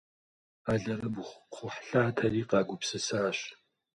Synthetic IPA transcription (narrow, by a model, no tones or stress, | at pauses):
aːɮɐrɐbχʷχʷʊħɬaːtʰɐriːqɑːɡʷʊpsɨsaːɕ